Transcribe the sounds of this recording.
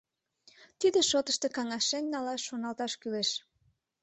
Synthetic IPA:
t̪id̪eʃot̪əʃt̪ekɑŋɑʃennɑlɑʃːonɑlt̪ɑʃkyleʃ

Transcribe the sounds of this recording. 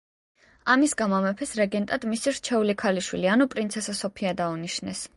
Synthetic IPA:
amisɡamamɛpʰɛsɾɛɡɛnt̪ʼad̪misiɾt͡ʃʰɛulikʰaliʃwilianupʼɾinsʰɛsasɔpʰiad̪auniʃnɛs

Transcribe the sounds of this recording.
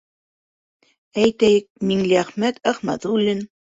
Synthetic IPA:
æjt̪æjɘk̚miŋliæχmæt̪æχmæ̰t̪ulːɘn

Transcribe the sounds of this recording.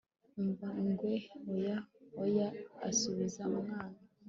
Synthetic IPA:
ɱvaŋɡweojaoja̰ːsuβizaumŋaːna

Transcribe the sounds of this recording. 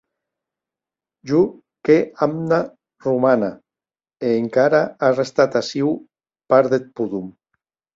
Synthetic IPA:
ʒu | keamna | rumana | eːŋkaɾaarest̪at̪asiw | paɾðet̪̚puðum

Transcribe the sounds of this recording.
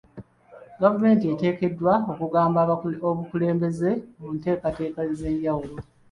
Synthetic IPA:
ɡavume̞ːntiete̞ːke̞dːwao̞kuɡaːmbaoβukule̞ːmbe̞ze̞munte̞ːkate̞ːkaze̞ɲɟawulo

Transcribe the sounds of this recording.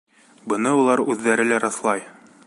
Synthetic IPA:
bɤ̆nɤulˠɑɾʉðːæɾɘlæɾɑθlˠɑj

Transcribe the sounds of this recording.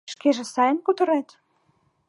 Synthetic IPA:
ʃkeʒĕsɑjə̆nkut̪ə̆ɾet̪

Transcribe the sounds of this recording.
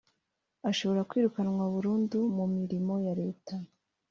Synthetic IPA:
aʃo̞βo̞ɾakwiːɾukanŋwaβuɾuːndumumiɾimo̞jaɾe̞ːta

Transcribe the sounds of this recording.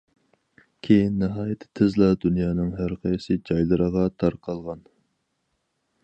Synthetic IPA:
kʲʰejinːɪɦɑːjɛt̪ʰːt̪ʰɪzlˠɑd̪unjɑːnɨŋɦæɾqʰɑjsɨd͡ʒɑjlˠɨɾəʁɑt̪ʰɑɾqʰɑlˠʁɑn

